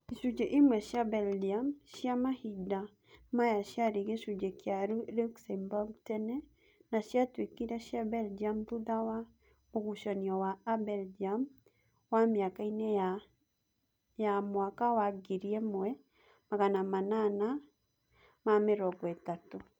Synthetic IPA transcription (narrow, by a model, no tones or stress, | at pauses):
iʃud͡ʒeʔimwɛʃjabɛldiamʃiamahida | majaʃjaɾiɣeʃud͡ʒekjaɾuluksɛmbɔɡtɛnɛ | naʃjatwekiɾɛʃjabɛld͡ʒiamðuðawa | moɣuʃɔniɔwaːbɛld͡ʒam | wamjakainɛa | jamwakawaɡiɾiɛmwɛ | maɣanamanana | mameɾɔɡwɛtato